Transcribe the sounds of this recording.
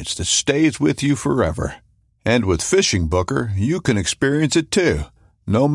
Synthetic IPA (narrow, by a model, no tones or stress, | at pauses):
nsðɨtsteɪzwɪðjɨfə˞ɛ̰və̰˞ | ɨ̃nwɪð̥fɪʃɪ̃ŋbʊkə˞jɨkɨ̃nɨkspɪɹiɨ̃nsɨtʰʉ | noʊm